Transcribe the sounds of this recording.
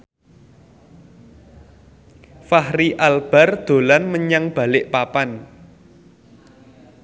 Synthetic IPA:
fahriʔalb̥a̤rd̪̥o̤lanməɲaŋb̥a̤lɪʔpapan

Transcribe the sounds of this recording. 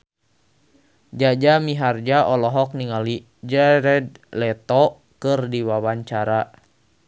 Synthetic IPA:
d͡ʒad͡ʒamiɦard͡ʒaʔɔlɔɦɔk̚niŋali | d͡ʒɛɾɛd̪̚lɛt̪ɔ | kɨrdiwawaɲt͡ʃaɾa

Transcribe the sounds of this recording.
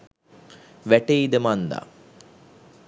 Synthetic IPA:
ʋæʈeid̪əmand̪a̰

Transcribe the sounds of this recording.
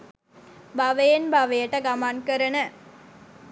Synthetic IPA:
bɐʋɐjenbɐʋɐjɐʈɐɡɐmaːnkɐɾɐnə

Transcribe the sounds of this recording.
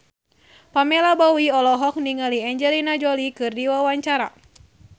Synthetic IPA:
pamɛlabawiɔlɔɦɔk̚niŋaliɛɲd͡ʒɛlinad͡ʒɔlikɨrdiwawaɲt͡ʃaɾa̰

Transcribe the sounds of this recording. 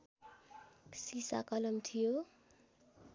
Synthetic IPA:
sisa̰kʌlʌmt̪ʰijo

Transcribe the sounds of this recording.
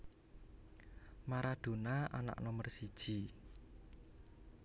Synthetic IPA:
maɾaɖ̪̥o̤naana̰ʔnɔmərsid̥ʒ̥i

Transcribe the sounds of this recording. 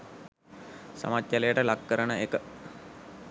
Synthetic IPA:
sa̰mat̪jalejəʈəlakːəɾənəekə

